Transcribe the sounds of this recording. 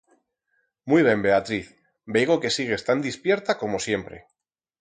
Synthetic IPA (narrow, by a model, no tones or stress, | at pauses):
mujβ̞e̞mbe̞at̪ɾiθ | bejɣo̞ke̞siɣ̞e̞st̪and̪ispje̞ɾt̪ako̞mo̞sje̞mpɾe̞̰